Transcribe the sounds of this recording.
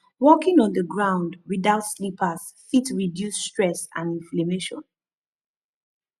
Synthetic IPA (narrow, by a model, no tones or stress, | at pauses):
wɔkɪ̃ŋɔ̃nðəɡɹãʊ̃ndwiðaʊtslipʰəs | fitɹidjusːtɹɛsã̰nĩnflameʃɔ̰̃n